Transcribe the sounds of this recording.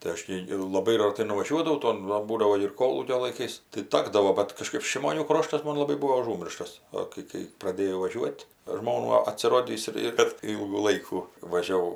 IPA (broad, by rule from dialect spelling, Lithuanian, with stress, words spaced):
tɐɪ ˈɐʃ tʲiː ɪr lˠɐˈbɐɪ rɐˈtɐɪ nʊʋɐˈʒʲuɔdɐʋɐʊ ˈtoːn ˈʋɐ ˈbuːdɐʋoː ɪr ˈkoːlˠuːkʲoː lˠɐɪˈkɐɪs tɐɪ ˈtɑːɡdɐʋoː bʲɛt kɐˈʃkɐɪp ʃʲɪmoːˈnʲuː ˈkroːʃtɐs ˈmoːn lˠɐˈbɐɪ ˈbuːʋoː ɐˈʒuːmʲɪrʃtɐs ˈoː kɐɪ kɐɪ prɐˈdʲeːjɛʊ ʋɐˈʒʲuɔtʲ ˈʒmoːnuː ɐtʲsʲɪˈroːdʲiːs ɪr ɪr bʲɛt ˈiːlˠɡuː ˈlˠɐɪkuː ʋɐʒʲɛˈʋɐʊ